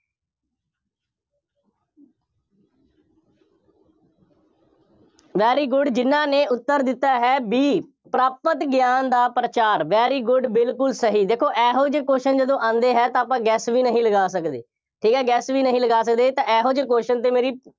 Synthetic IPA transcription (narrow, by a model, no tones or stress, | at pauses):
ʋɛːɾiːɡʊɖd͡ʒɪnãːneːʊt̪ːəɾd̪ɪt̪ːaːɦɛːbiː | pɾaːpət̪ɡjaːnd̪aːpɾət͡ʃaːɾʋɛːɾiːɡʊɖbɪlkʊlsəɦiːd̪eːkʰːoːʔɛːɦoːd͡ʒəkoːʃənd͡ʒəd̪õːʔãːnd̪eːɦɛːt̪ãːaːpãːɡɛːsʋiːnəɦĩːləɡaːs̬əkd̪ḛː | ʈʰiːkɦɛːɡɛːsʋiːnəɦĩːləɡaːsək̚d̪eːt̪ãːɛːɦõːd͡ʒəkoːʃənt̪̬eːmeːɾiː